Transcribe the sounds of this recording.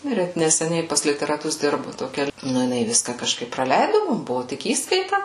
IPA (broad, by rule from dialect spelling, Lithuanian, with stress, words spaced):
ˈnʊ ɪr ˈɛt nʲɛsʲɛˈnʲɛɪ pɐs lʲɪtʲɛrɐˈtʊs ˈdʲɪrbʊ toːˈkʲɛ ˈnʊ jɪˈnɐɪ ˈʋʲɪskɐ kɐʃˈkɐɪp prɐˈlʲɛɪdʊ ˈmʊm ˈbʊʋʊ ˈtʲɪk ˈiːskɐɪtɐ